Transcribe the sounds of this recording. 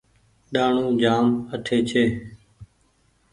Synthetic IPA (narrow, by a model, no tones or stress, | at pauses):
ɗaːɳũːd͡ʒaːməʈʰeːt͡ʃʰeː